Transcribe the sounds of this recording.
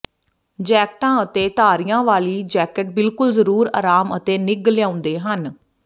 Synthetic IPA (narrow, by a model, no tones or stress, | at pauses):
d͡ʒɛːk̚ʈãːət̪eːt̪aːɾijãːʋaːliːd͡ʒɛːkəʈ̚bɪlkʊlzəɾuːɾa̰ːɾaːmət̪eːnɪɡljãːʊ̃nd̪eːɦən